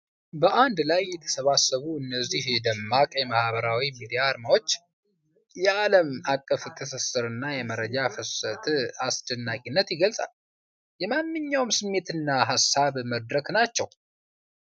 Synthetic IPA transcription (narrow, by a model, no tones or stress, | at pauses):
bəʔand̪lajːɛt̪ʰə̥səβasːəβuɨnːəzːihd̪əmːakʼjɛmahβəɾawimid̪ijaːɾmawo̞t͡ʃː | jɛaləmakʼːəft̪ʰəsəsɨɾɨnːajɛməɾəd͡ʒafɨsət̪ʰasd̪ənːakʼinːət̪jɪɡəlsʼa̰l | jɛmanːɨɲːawmsɨmːe̞t̪ɨnːaɦasːaβməd̪ɾəknat͡ʃːɛw